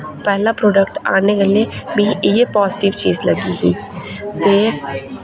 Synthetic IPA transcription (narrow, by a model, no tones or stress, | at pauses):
pɛɦlapɾoːɖək̚ʈa̰ːnekeliebʱijepɔːzɪʈɪʋt͡ʃiːzlɐɡiɦiːt̪eː